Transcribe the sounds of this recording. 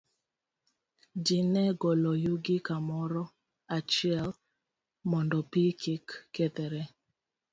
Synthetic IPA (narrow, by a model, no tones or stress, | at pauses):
dinɛɡɔlɔjuɡikamɔɾɔ | at͡ʃiɛl | mɔndɔpikʰikːɛt̪ɛɾɛ